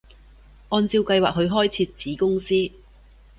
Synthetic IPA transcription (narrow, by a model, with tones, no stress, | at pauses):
ʔɔː˧nt͡siː˧wkɐ˧jwaː˨k̚ɦɵ˨˧ɥɦɔː˥jt͡sʰiː˧t̚t͡siː˨˥kʊ˥ŋsiː˥